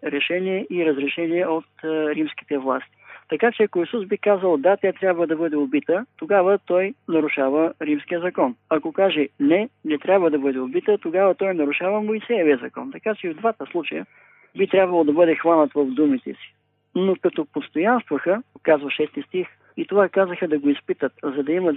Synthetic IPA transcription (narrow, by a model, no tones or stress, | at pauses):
ɾɛʃɛniɛʔiɾəzɾɛʃɛniɛot̪ɾimsk̟i̥t̪ɛvlˠa̰st̪i̥t̪ɐkat͡ʃɛɐkoisusbikazəlˠd̪at̪ʲjat̪ɾʲabvəd̪ɐbɤd̪ɛobit̪ət̪oɡavət̪ɔjnɐɾʊʃavəɾimsk̟ijəzɐkɔnɐkokaʒɛnɛnɛt̪ɾʲabvəd̪ɐbɤd̪ɛobit̪ət̪oɡavət̪ɔjnɐɾʊʃavəmojsɛjɛviəzɐkɔnt̪ɐkat͡ʃɛvd̪vat̪əslˠut͡ʃɐjə | bit̪ɾʲabvɐəlˠod̪ɐbɤd̪ɛxvanət̪vɐvd̪umit̪ɛ̰si̥ | nokɐt̪opost̪ojanst̪vɐxəkazvɐʃɛst̪ist̪ix | it̪ovakazəxəd̪ɐɡoispit̪ət̪zɐd̪ɐimɐ